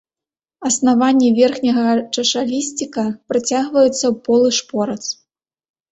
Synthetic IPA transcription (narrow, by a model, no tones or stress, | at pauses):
ɐsnavanʲːɛvʲɛrxnʲɐɣɐt͡ʂɐʂalʲisʲt͡sʲikɐpɾɨt͡sʲaɣvɐjut̪sːɐwpɔlˠɨʂpɔɾɐt̪s